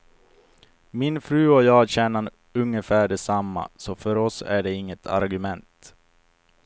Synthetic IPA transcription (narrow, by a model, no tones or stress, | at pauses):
mɪnfɾʉ̟ːɔjɑːɕɛnan | ɵŋːəfæːɖɛsamːa̰sɔfœɾɔsæ̰ɖɛɪŋːət̪ʰa̰ɾɡɵmɛnt̪